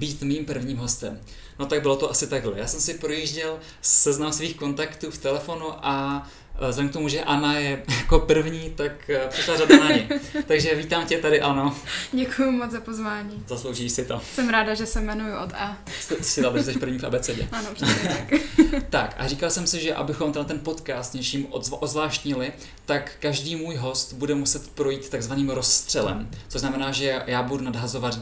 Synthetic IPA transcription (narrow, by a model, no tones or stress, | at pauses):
biːt̪miːmpr̩vɲiːmɦo̞st̪ɛm | no̞t̪aɡ̚bɪlot̪oʔasɪt̪aɡɦlɛjaːsɛmsɪpɾojiʒɟɛl | sɛznamsviːxko̞nt̪akt̪uːft̪ɛlɛfo̞nuʔa | zɛdɛŋk̚t̪omuʒɛʔanajɛjako̞pr̩vɲiːt̪akprɪʃlaradanaɲɛjt̪aɡʒɛviːt̪aːmcɛt̪adɪʔano̞ɟɛkʊjumozapozvaːɲiːzaslowʒiːʃsɪt̪osɛmɾaːdaʒɛsɛmɛnujʊʔot̪ɛ | ssɪzabɾzɛʃpr̩vɲiːfʔa̰bɛt͡sɛɟɛ̰anopr̥kt̪akʔa̰riːkalsɛmsɪʒɛʔa̰bɪxo̞mt̪ɛdat̪ɛnpo̞t̪kaːst̪ɲɛt͡ʃiːmʔozvlaːʃt̪ɲɪlɪ | t̪akːaʒdiːmuːjɦo̞st̪budɛmusɛt̪pɾo̞jiːt̪ːaɡzvaniːmɾost̪r̝̥ɛlɛ̰mt͡soznamɛnaːʒɛjaːbudunadɦazo̞vat̪